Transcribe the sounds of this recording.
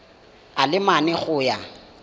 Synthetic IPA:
alɪmanɛχʊja

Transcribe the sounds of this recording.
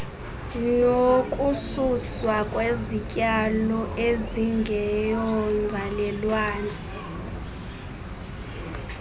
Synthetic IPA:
nokʼususwakʼwezicʼalɔʔeziŋɡʱɛjɔŋ͡ǀʱalɛlwaːna

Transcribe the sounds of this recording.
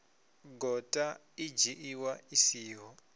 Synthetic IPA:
ɡʱɔtʼa | id͡ʒiʔiwaisiːɦɔ

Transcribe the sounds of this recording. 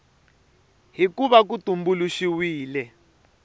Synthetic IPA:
ɦikuβak̬utumbuluʃiwiːlɛ

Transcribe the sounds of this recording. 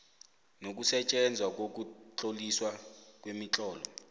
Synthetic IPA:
nok̬usɛt͡ʃʼɛnd͡zʱwak̬ok̬ut͡ɬʼoliswak̬ʼwemit͡ɬʼɔːlɔ

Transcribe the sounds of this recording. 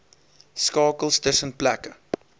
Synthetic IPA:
skɑːkəlˠstəsənplækə

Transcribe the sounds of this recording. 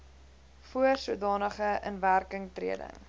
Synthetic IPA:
fuərsuədɑːnəχəʔənværkəŋtrḭədə̰ŋ

